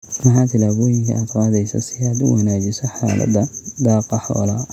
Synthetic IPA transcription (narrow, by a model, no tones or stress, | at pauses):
mɐħaːt̪ʰɪlaːβɔːjɪŋkʰɐ̰ʔɐd̪wɑːd̪ɛjsɐ̰sɪjaːd̪ʊwɐnaːd͡ʒɪsɐħa̰ːlʔɐ̰d̪ɐd̪ɑːqɑħɑ̰ːla